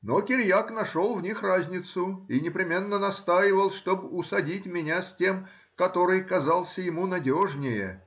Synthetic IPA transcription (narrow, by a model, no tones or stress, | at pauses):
nokʲɪɾʲjaknɐʂo̞lˠvnʲixrazʲnʲɪt̪sʊinʲɪpɾʲɪmʲe̞nːənɐst̪ajɪvəlˠʂt̪obʊsɐdʲitʲmʲɪnʲasʲtʲe̞m | kɐt̪o̞ɾɨjkɐzɑlˠsʲəjɪmunɐdʲoʐnʲɪjə̰